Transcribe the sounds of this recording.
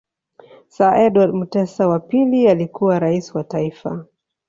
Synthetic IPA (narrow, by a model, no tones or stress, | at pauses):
saʔɛdwadmutɛsawapilialikuwaɾaisiwataifa̰